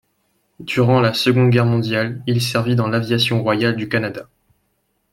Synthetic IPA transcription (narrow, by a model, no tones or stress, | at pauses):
d̪̥yʁɑ̃lasəɡɔ̃d̪ɡʲɛʁmɔ̃d̪jalilsɛʁvid̪ɑ̃lavjasjɔ̃ʁwajald̪ykanad̪a